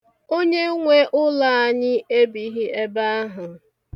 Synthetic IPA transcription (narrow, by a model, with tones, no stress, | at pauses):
o˦ɲe˦ŋʷe˦ʔʊ˦la˦a˦ɲɪ˦e˦bi˨˦ɦi˦e˦ba˦ɦʊ˨